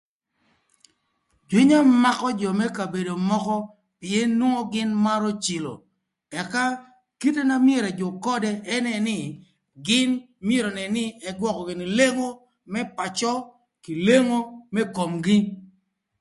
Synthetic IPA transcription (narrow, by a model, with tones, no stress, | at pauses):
d͡ʒwi˦ɲa˦ma˦kɔ˦d͡ʒɔ˨mɛ˦ka˨be˨do˨mɔ˦kɔ˦ | pɪ˨e˦nwo˦ŋo˦ɡɪ˦nma˦ɾɔ˦t͡ʃi˨lo̰˨ | ɛ˨ka˦ | ki˦te˦na˦mje˨ɾɛ˨d͡ʒɔ˨kɔ˦dɛ˦ɛ˦nɛ˨nɪ˦ | ɡɪ˦n | mje˦ɾo˨nɛ˨nɪ˦ɛ˨ɡwɔ˦kɔ˨ɡɪ˨nɪ˨le˦ŋo˦ | mɛ˦pa˨t͡ʃɔ˦ | ki˨le˦ŋo˦mɛ˦ko˨mɡɪ˦